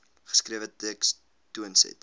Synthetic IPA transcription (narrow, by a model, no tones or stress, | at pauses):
χə̥skriəvəteks | tuənsɛ̰t